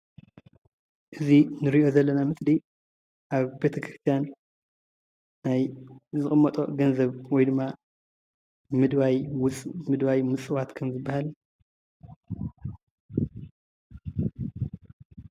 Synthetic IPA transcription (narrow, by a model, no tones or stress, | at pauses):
ʔɨzinɨɾiʔo̞zɐlːɐnamɨt̪di | ʔaβbe̞t̪ʰɐkʰɾɨst̪ʰijan | ajzɨkʼɨmːɐt̪ʼo̞̰ɡɐnzɐβwɔjd̪ɨmːa | mɨd̪βajwt͡sʼmɨd̪βajmɨt͡sʼɨwat̪kʰɐmzɨbːahal